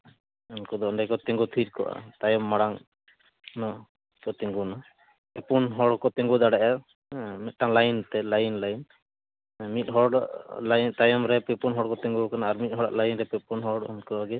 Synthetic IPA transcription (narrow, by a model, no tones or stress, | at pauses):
ɔnkɔd̪ɔɔɳɖajkɔt̪ɛŋɡut̪ʰiɾkɔ̰ʔa̰t̪ajɔmːaɽaŋ | nɔ | kɔt̪ɛŋɡuna | pɛpunɦɔɽkɔt̪ɛŋɡud̪aɽɛʔa | mɛt̪̚ʈaŋlajnt̪ɛlajnlajn | mit̪̚ˀɦɔɽʔlajt̪ajɔmɾɛpɛpunɦɔɽkɔt̪ɛŋɡukanaːɾmit̪̚ɦɔɽa̰ʔlajnɾɛpɛpunɦɔɽɔnkɔaɡɛ